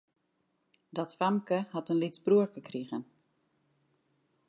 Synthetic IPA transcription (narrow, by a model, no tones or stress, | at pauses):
dɔtfamkəhatənlit͡sbruərkəkriɣən